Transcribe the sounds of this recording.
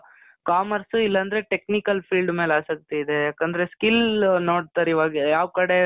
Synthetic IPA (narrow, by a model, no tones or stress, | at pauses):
kaːmɐɾsuilːɐnd̪ɐɾe̞ʈe̞knikɐlpʰiːlɖmeːlaːsɐk̚t̪eid̪ejaːkend̪ɐɾeskilnoːɽt̪ɐɾiʋaːɡijaːʋkɐɽe